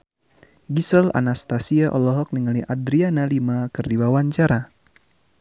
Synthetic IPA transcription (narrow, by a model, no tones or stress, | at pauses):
ɡisəla̰nast̪asiaʔɔlɔɦɔk̚niŋaliʔadɾianalimakɨrdiwawaɲt͡ʃaɾa